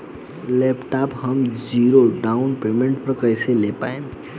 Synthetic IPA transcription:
lepʈaphəmd͡ziɾoɖaunpemeɳʈ̚pɾkəjselepa̰em

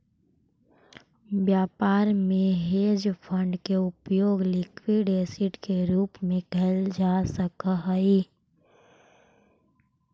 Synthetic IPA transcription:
bjaːpaːɾmẽɦeːd͡ʒpʰə̃ɳɖkeʊpjoːɡlɪkwiɖeːsɪʈkeɾuːpmẽkʰɛld͡ʒasəkəɦəi

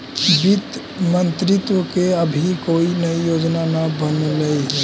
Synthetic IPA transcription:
bɪt̪ | mə̃nt̪ɾɪt̪wəkeəbʱikoːinɐijoːd͡ʒnanabənləi

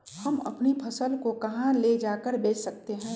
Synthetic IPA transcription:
hɐmɐ̰pnipʰɐsəlkokɐɦãled͡ʒaːkəɾbeːt͡ʃsɐk̚t̪eɦɛ̃ː

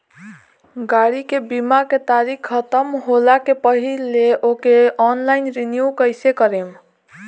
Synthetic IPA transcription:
ɡaɽikebimaket̪aɾikʰːət̪əmɦolakepəɦilːeokeɔnlajnɾinjukəjsekəɾem

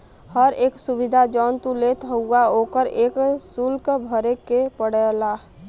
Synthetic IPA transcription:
həɾeːksubid̪ʱad͡ʒɔnt̪ulet̪ɦəuaoːkəɾeksulkbʱəɾekepəɽɛla

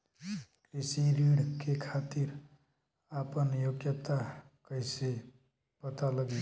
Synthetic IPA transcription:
kɾisiɾiɽkekʰat̪iɾ | apənjoɡjət̪akəjse | pət̪aləɡi

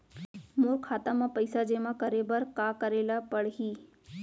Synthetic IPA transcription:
moɾkʰːaːt̪amãpəɪsad͡ʒemãkəɾebəɾkakəɾelapəɽɦiː

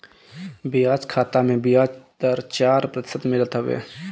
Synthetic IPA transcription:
bijaːd͡ʒkʰaːt̪amẽbɪjaːd͡ʒd̪əɾt͡ʃaːɾpɾət̪ɪ̥səd̪mɪlət̪ɦʊʋḛː

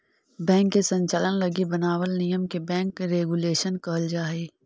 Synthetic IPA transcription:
bɛ̃ːŋkːesə̃ɲt͡ʃalənlɐɡibɐnaːwəlnijəmkebɛ̃ːŋkɾeːɡuleːʃənkɐɦəld͡ʒaːeː

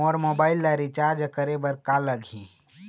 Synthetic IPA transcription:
ɔːɾmobaːɪlːaɾit͡ʃaɾd͡ʒkəɾebəɾkaləɡʱĩ

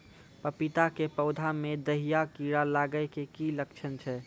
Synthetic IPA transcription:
pəpit̪akepəʊd̪ʱamed̪əɦijakiɾalaɡəɪkekilək̚t͡ʃʰənt͡ʃʰɛ

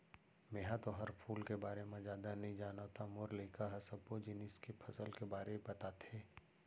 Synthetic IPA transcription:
mẽːɦãt̪oɦɐɾpʰuːlkebaːɾemẽd͡ʒjaːd̪anɐɦĩd͡ʒaːnat̪ʰamoːɾleːkaɦɐsɐb̚kod͡ʒɪnɪskepʰɐsəlkebaːɾebɐt̪at̪ʰeː

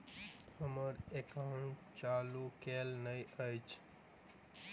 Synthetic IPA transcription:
həməɾekaʊ̃ʈ | t͡ʃalukelnəjəjt͡ʃʰ

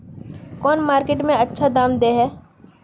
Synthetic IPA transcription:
kɔːnmaːɾkeːʈmẽɐtːʃʰad̪aːmd̪eːɦɛː

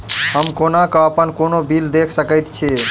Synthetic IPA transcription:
həmkonakəəpənkonobild̪ekʰsəkəjt̪t͡ʃʰe

